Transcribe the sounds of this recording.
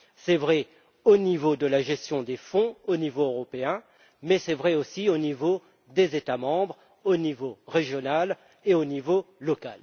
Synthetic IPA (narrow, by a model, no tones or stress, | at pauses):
sɛvʁɛ | onivod̪əlaʒɛst̪jɔ̃d̪efɔ̃onivoøʁɔpeɛ̃ | mɛsɛvʁɛosionivo | d̪ezet̪amɑ̃bʁ | onivoʁeʒjɔnal | eonivolɔkal